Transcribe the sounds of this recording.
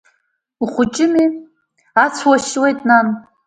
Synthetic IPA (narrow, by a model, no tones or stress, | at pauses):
uχʷʊt͡ʃʼɪmi | at͡sʷʰwaʃwejtʼnan